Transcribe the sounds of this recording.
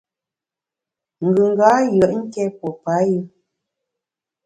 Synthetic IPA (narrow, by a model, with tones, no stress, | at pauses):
ŋ̩˨ɡʉ˨ŋ˨ɡa˨˦jə˨ʔŋ̩˦kɛ˦pɔ˨pa˨˦ji˦